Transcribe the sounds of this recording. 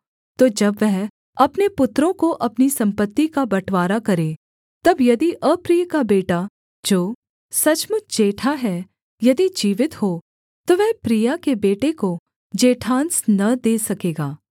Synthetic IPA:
t̪oːd͡ʒɐbʋɛɦ | ɐpnepʊt̪ɾõkoʔɐpnisɐ̃mpət̪ːikabɐʈʰʋaːɾakɐɾẽ | t̪ɐbjɐd̪iʔɐpɾiːjkabeːʈa | d͡ʒoː | sɐt͡ʃmʊt͡ʃʰd͡ʒeːʈʰaɦɛ | jɐd̪id͡ʒiːʋɪt̪ho | t̪oʋɛɦpɾijakebeːʈeko | d͡ʒeːʈʰãːnsnɐd̪eːsɐkeːɡaː

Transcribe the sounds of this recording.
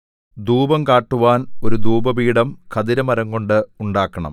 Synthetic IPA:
d̪uːbɐmkaːʈːuʋaːno̞ɾud̪uːbɐbiːɽɐmkʰɐðiɾɐmɐɾɐŋko̞ɳɖɨuɳɖaːkːɐɳɐ̰m

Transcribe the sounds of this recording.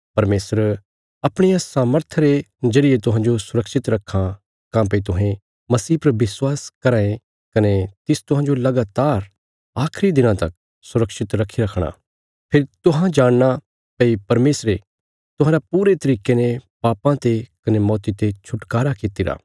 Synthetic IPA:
pɐɾmeːsəɾ | ɐpɽ̃ɪjãsaːməɾt̪ʰəɾezɐɽɪet̪ʊɦãːnd͡ʒosʊɾəkʃɪt̪ɾɐkʰːã | kãːp̬ɐit̪ʊɦẽ | mɐsiːpɐɾʋɪswaːskɐɾaːẽ | kɐnet̪ɪst̪ʊɦãːd͡ʒolɐɡaːt̪aːɾ | aːkʰɾid̪ɪnãt̪ɐk̚ | sʊɾəkʃɪt̪ɾɐkʰːiɾɐkʰɽ̃a̰ː | pʰɪɾt̪ʊɦãd͡ʒaːɽ̃na | pɐipɐɾmeːsɾe | t̪ʊɦãːɾapuːɾet̪ɐɾiːkenẽpaːpãt̪ekɐnemɔːt̪it̪et͡ʃʰʊʈkaːɾakɪt̪iɾa̰ː

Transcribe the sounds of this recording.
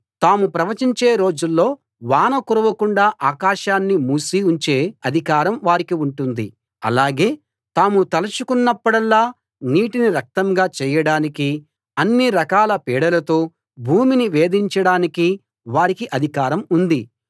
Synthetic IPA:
t̪aːmupɾɐʋɐt͡ʃiɲt͡ʃe̞ːɾo̞ːd͡ʒulːo̞ː | ʋaːnɐkuɾɐʋɐkuɳɖaːʔaːkaːʃaːnːimuːsiuɲt͡ʃe̞ːɐd̪ʱikaːɾɐmʋaːɾikiuɳʈund̪ḭ | ɐ̰laːɡe̞ː | t̪aːmut̪ɐlɐt͡ʃukunːɐpːuɽɐlːaː | niːʈiniɾɐk̚t̪ɐŋɡaːt͡ʃɛːjɐɽaːniki | ɐnːiɾɐkaːlɐpɛːɽɐlɐt̪o̞ː | bʱuːminiʋe̞ːd̪iɲt͡ʃɐɽaːniki | ʋaːɾikiʔɐd̪ʱikaːɾɐmund̪i

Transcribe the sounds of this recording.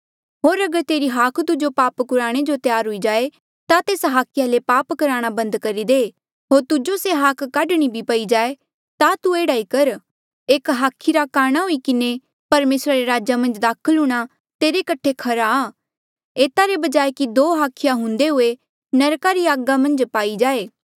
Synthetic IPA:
ɦoːɾɐɡəɾt̪eːɾiɦaːkʰt̪ʊd͡ʒopaːpkʊɾaːɽ̃ed͡ʒot̪jaːɾɦʊid͡ʒaːe | t̪at̪eːsɦaːkʰɪjalepaːpkɐɾaːɽ̃abɐ̃nd̪kɐɾid̪eː | ɦoːɾt̪ʊd͡ʒoseɦaːkʰːaːɖɽ̃ibʱipɐid͡ʒaːe | t̪at̪ueːɽaːikɐɾ | eːkɦaːkʰiɾakaːɽ̃aɦoikɪne | pɐɾmeːsɾaɾeɾaːd͡ʒamɐ̃nd͡ʒd̪aːkʰəlɦʊːɽ̃a | t̪eːɾekɐʈʰːekʰɐɾaaː | eːt̪aɾebɐd͡ʒaːekid̪oːɦaːkʰɪjaɦʊ̃nd̪eɦʊe | nɐɾkaɾiaːɡamɐ̃nd͡ʒpaːid͡ʒaːeː

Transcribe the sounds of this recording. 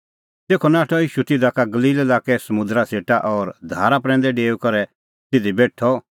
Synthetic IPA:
t̪eːkʰɔnaːʈʰɔiːʃut̪ɪd̪akaɡɐliːlelaːkɛsɐmʊ̃d̪ɾaseːʈaʔɔːɾd̪ʱaːɾapɾɛ̃ːnd̪ɛɖeːukɔɾɛ | t̪ɪd̪ʱibeːʈʰɔ

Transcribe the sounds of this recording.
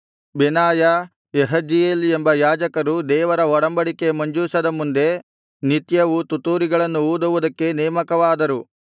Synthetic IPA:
binaːjɐ | eɦɐd͡ʒijeːlembɐjaːd͡ʒɐkɐɾud̪ɛːʋɐɾɐɔɽɐmbɐɽike̞mɐɲd͡ʒuːsɐd̪ɐmund̪e̞ | nit̪jɐʋut̪ut̪uːɾiɡɐɭɐnːuuːd̪ɐʋud̪ɐkːe̞nɛːmɐkɐʋaːd̪ɐɾu

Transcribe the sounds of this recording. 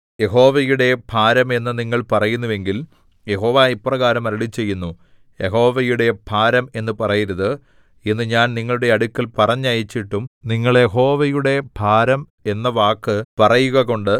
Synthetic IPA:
je̞ɦo̞ːʋɐjuɽe̞bʱaːɾɐme̞nːɨniŋːɐɭpɐrɐjunːuʋe̞ŋɡil | je̞ɦo̞ːʋaːipːrɐɣaːɾɐmɐɾɐɭit͡ɕːe̞jːunːu | jeɦo̞ːʋɐjuɽe̞b̥ʱaːɾɐme̞nːɨpɐrɐjiɾɐðɨ | inːɨɲaːnniŋːɐɭuɽe̞ɐɽukʲːɐlpɐrɐɲːajit͡ɕːiʈːumniŋːɐɭje̞ɦo̞ːʋɐjuɽe̞bʱaːɾɐm | e̞nːɐʋaːkːɨpɐrɐjuɣɐɣo̞ɳɖɨ

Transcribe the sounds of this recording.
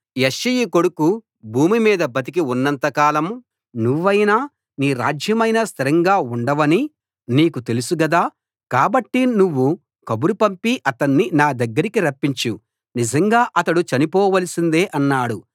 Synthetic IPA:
jeʃːijiko̞ɽuku | bʱuːmimiːd̪ɐbɐt̪̬ik̬iunːɐnt̪ɐkaːlɐm | nuʋːɐjnaː | niːɾa̰ːd͡ʒjɐmɐjnɐst̪ʰiɾɐŋɡaːuɳɖɐʋɐni | niːkut̪e̞lusuɡɐd̪aː | kaːbɐʈːinuʋːu | kɐbuɾupɐmpiʔɐt̪ɐnːinaːd̪ɐɡːɐɾikiɾɐpːiɲt͡ʃu | nid͡ʒɐŋɡaːʔɐt̪ɐɽut͡ʃɐnipɔːʋɐlɐsind̪e̞ːʔɐnːaːɽu

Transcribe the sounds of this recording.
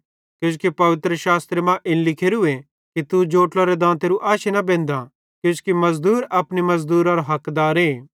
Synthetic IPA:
kjoːs̬kipɐʋɪt̪ɾəʃaːst̪ɾemãʔɪnlɪkʰeːɾue | kit̪ud͡ʒoːʈlaɾed̪ãːt̪eːɾuʔaːʃenɐbẽːnd̪a | kjoːskimɐzd̪uːɾɐpnimɐzd̪uːɾaɾoɦɐkd̪aːɾeː

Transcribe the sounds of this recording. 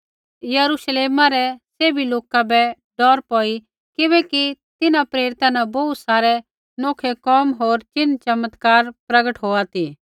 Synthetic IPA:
jɐɾuʃleːmãɾɛseːbiloːkabɛ | ɖɔːɾpɔːi | kɪbɛkit̪ɪnãpɾeːɾɪt̪ãnabɔut̪saːɾɛ | noːkʰɛkɔːmɦoːɾt͡ʃɪnt͡ʃɐmət̪kaːɾpɾɐɡəʈɦoːat̪iː

